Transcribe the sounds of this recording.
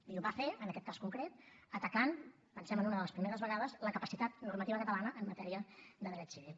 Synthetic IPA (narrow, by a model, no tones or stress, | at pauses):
iluβafeənəkɛt̪̚kaskuŋkɾet̪̚ət̪əkan | pənsɛmənunəðələspɾimeɾəzβəɣað̞əzləkəpəsit̪at̪nuɾmət̪iβəkət̪əlanəʔəmmət̪ɛɾiəðəðɾɛt̪siβil